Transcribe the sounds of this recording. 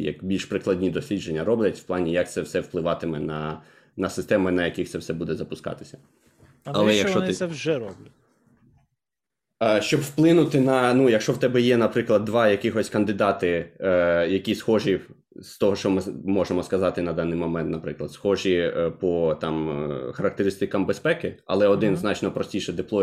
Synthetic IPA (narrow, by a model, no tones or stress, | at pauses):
jɐ̰kbʲilʲʃpɾɪklˠɐdʲnʲid̪ɔsʲlʲid͡ʒenʲːɐɾɔblʲɐtʲw̥plˠɑnʲijɐk̚t̪sɛwsɛwplˠɪʋɑt̪ɪmɛnɐ | nɐsɪst̪ɛmɪnɐjɐkʲixt̪sɛwsɛbud̪ɛzɐpʊskɑ̰t̪ɪ̥sʲɐ̥ | ɐlˠɛjɐkʃt͡ʃɔɛʒɛɾɔblʲɐ | ʃt͡ʃɔbwplˠɪnʊt̪ɪnɐnujɐkʃɔwt̪ɛbɛjɛnɐpɾɪklˠɐd̪̚ːʋɑjɐkʲɪxɔsʲkɐnd̪ɪd̪ɑt̪ɪ | jɐkʲisxɔʒi | st̪ɔɦɔʃt͡ʃɔmɪmɔʒemɔskɐzɑt̪ɪnɐd̪ɑnːɪjmɔmɛnt̪̚nɐpɾɪklˠɐd̪sxɔʒipɔt̪ɑmxɐɾɐk̚t̪eɾɪst̪ɪkɐmbespɛkɪɐ̰lˠɛɔd̪ɪnznɑt͡ʃnɔpɾɔsʲtʲiʃɛd̪ɪplˠɔ